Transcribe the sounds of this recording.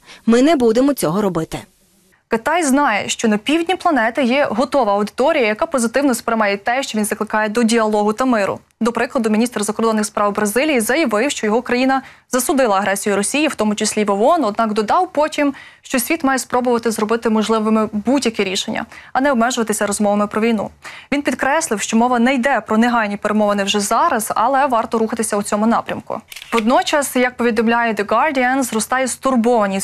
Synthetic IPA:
mɪnɛbud̪emɔt͡sʲɔɦɔɾɔbɪt̪ɪ | kɪt̪ɑjznɑjɛ̰ʃt͡ʃɔnɐpʲiwdʲnʲiplˠɐnɛt̪ɪjɛɦɔt̪ɔʋɐɐwd̪ɪ̥t̪ɔɾʲijɐjɐkɑpɔzɪt̪ɪwnɔspɾɐmɑjɛt̪ɛʃt͡ʃɔʋʲinzɐklˠɪkɑjɛd̪ɔdʲiɐlˠɔɦʊt̪ɐmɪɾʊ̰ | d̪ɔpɾɪklˠɐd̪ʊmʲinʲist̪rzɐkɔɾd̪ɔnːɪxspɾɑwbɾɐzɪlʲijizɐjɐʋɪwʃt͡ʃɔjɔɦɔkɾɐjinɐzɐsʊd̪ɪlˠɐɐɦɾɛsʲijʊɾɔsʲijiwt̪ɔmʊt͡ʃɪsʲlʲiʋɔɔnɔd̪̚nɑkd̪ɔd̪ɑwpɔtʲim | ʃt͡ʃɔsʲʋʲit̪mɑjɛspɾɔbʊʋɐt̪ɪzɾɔbɪt̪ɪmɔʒlˠɪʋɪmɪbudʲjɐkɛɾʲiʃenʲːɐ̰ɐnɛɔbmɛʒʊʋɐt̪ɪsʲɐɾɔzmɔʋɐmɪpɾɔʋʲijnṵʋʲinpʲid̪kɾɛsʲlˠɪwʃt͡ʃɔmɔʋɐnɛjd̪ɛpɾɔneɦɑlʲnʲipeɾemɔʋɐnɛwʒɛzɑɾɐz̥ɐ̰lˠɛʋɑrt̪ɔɾuxɐt̪ɪsʲɐut͡sʲɔmʊnɑpɾʲɐmkʊ̰ʋɔd̪nɔt͡ʃɐsjɐk̚pɔʋʲid̪ɔmlʲajɛd̪eɡɑrdʲiɛnzrɔst̪ɑjɛst̪ʊrbɔʋɐnʲi

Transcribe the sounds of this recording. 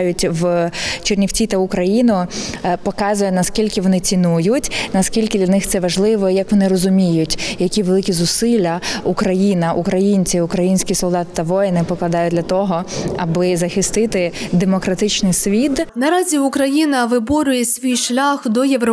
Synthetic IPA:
jʊtʲʋt͡ʃernʲiwt͡sʲit̪ɐʊkɾɐjinʊpɔkɑzʊjɛnɐskʲilʲkɪʋɔnɪt͡sʲinujʊtʲnɐskʲilʲkɪd̪lʲɐnɪxt̪sɛʋɐʒlˠɪʋɔjɐkʋɔnɪrɔzʊmʲijʊtʲjɐkʲiʋelˠɪkʲizʊsɪlʲːɐukɾɐjinɐʔukɾɐjinʲt͡sʲiʊkɾɐjinʲsʲkʲisɔlˠd̪ɑt̪ɪ̥t̪ɐʋɔjɛnɪpɔklˠɐd̪ɑjʊd̪ʲlʲɐt̪ɔɦɔɐbɪzɐxɪst̪ɪt̪ɪd̪emɔkɾɐt̪ɪt͡ʃnɪjsʲʋʲid̪nɐɾɑzʲiʊkɾɐjinɐʋɪbɔɾʲʊjɛsʲʋʲijʃlʲaxd̪ɔjeʋɾɔ

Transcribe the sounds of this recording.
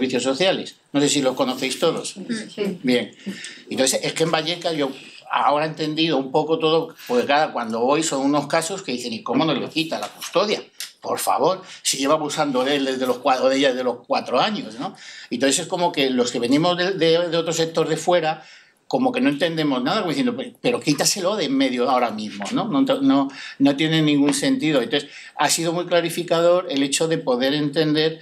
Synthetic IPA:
βiθjo̞sːo̞θjale̞sno̞se̞s̬ilo̞sko̞no̞θe̞jst̪o̞ðo̞s | bje̞ŋnt̪oθese̞skembaʎe̞kaʝo̞ | a̰o̞ɾae̞nt̪e̞nd̪iðoumpo̞ko̞t̪o̞ðopo̞ɾkeklaðakwand̪o̞βo̞jso̞nuno̞skaso̞skeðiθe̞ŋiko̞mo̞no̞zle̞kit̪alakust̪o̞ðjapo̞ɾfa̰βo̞ɾsiʝe̞βaβusand̪oðeld̪ezðelohkwaoðeʎaezðelo̞hkwat̪ɾoaɲo̞sno̞int̪oθese̞sko̞mo̞ke̞lo̞ske̞βe̞nimo̞zðed̪eðeo̞t̪ɾosek̚t̪o̞ɾðe̞fwe̞ɾa | ko̞mo̞ke̞no̞e̞nt̪e̞nd̪e̞mo̞znaðakomiθjend̪opepe̞ɾokit̪ase̞loðemme̞ðjoao̞ɾamizmo̞no̞not̪ono̞no̞t̪je̞nẽ̞nːĩŋɡunse̞nt̪iðo̞ent̪oes | asiðo̞mujklaɾifikaðo̞ɾe̞le̞t͡ʃo̞ðe̞po̞ðe̞ɾe̞nt̪e̞nd̪e̞ɾ

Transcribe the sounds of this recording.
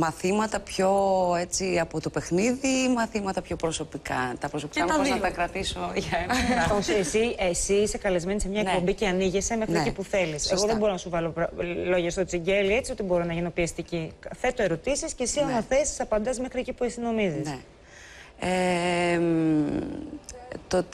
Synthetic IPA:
mɐθimɐt̪ɐpço̞e̞t͡siɐpo̞t̪o̞pe̞xniðimɐθimɐt̪ɐpço̞pɾo̞so̞pikɐt̪ɐpɾosopi̥kaɐt̪ɐit̪ɐkɾɐt̪iso̞ʝɐenɐosesiesiise̞kɐlezme̞nise̞mɲɐenkpo̞mbiceɐniʝese̞me̞xnieeipuθe̞lise̞ɣo̞ðebo̞ɾonɐsuvɐlo̞plo̞ʝɐst̪ot͡siɲɟe̞lie̞t͡sio̞t̪ibo̞ɾonɐʝinopiɐst̪iciθe̞t̪oe̞ɾo̞t̪isiscesionoθe̞si̥sɐpɐnd̪ɐzme̞xɾiecipuisino̞mizie | em | t̪ot̪

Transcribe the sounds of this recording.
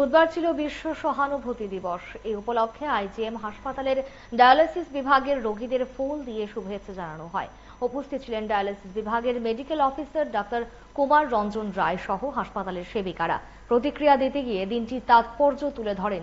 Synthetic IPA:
bud̪̚baɾt͡ɕʰilobiʃːoʃɔɦanobʱot̪id̪ibɔʃeupolokʰːeajd͡ʑiemɦaʃpat̪aleɾ | ɖajalesisbibʱaɡeɾːoɡid̪eɾfuld̪ieʃubʱɦet̪ːɕʰed͡ʑananoɦɔe | upost̪ʰit̪ot͡ɕʰilenɖajalesisbibʱaɡeɾmeɖikelɔfisaɾɖak̚ʈaɾ | kumaɾːɔnd͡ʑonɾaeʃɔɦoɦaʃpat̪aleɾʃebikaɽa̰ | pɾot̪̬ikɾijad̪it̪eɡied̪inʈit̪at̪̚pɔɾd͡ʑot̪uled̪ʱɔɽen

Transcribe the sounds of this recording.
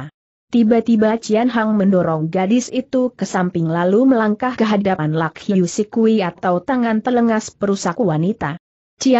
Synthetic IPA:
t̪ibat̪ibat͡ʃianɦaŋməndɔɾɔŋɡadɪsit̪ukəsampɪŋlaluməlaŋkahkəɦaddapanlakhiusikuiat̪awt̪aŋant̪ələŋaspəɾusakwanit̪a | t͡ʃia

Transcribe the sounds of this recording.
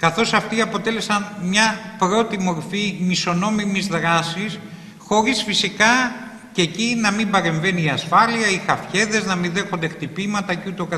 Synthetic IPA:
kɐθo̞sɐft̪iɐpo̞t̪e̞le̞sɐnmɲɐpɾo̞t̪imo̞ɾfimiso̞no̞mimizðɾɐsis | xo̞ɾisfisikɐ | cecinɐmimbɐɾe̞ɱve̞niːɐsfɐliɐixɐfçe̞ðe̞znɐminðe̞xo̞nd̪ekt̪ipimɐt̪ɐcut̪okɐ

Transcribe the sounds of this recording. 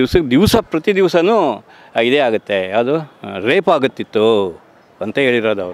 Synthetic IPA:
iʋsɐd̪iʋsɐpɾɐt̪id̪iʋsɐnu | ɐjid̪eaːɡut̪ːeɐd̪uɾeːpaːɡut̪ːit̪ːu | ɐnt̪ɐɦe̞ːɭiɾoːd̪ɐʋɾu

